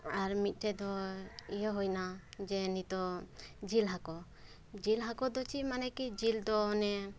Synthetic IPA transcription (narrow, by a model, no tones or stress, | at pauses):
aɾmit̪̚ˀʈɛd̪ɔijɔɦojnad͡ʒɛnit̪ɔd͡ʒilɦakɔ | d͡ʒilɦakɔd̪ɔt͡ʃimanɛkid͡ʒild̪ɔːnɛ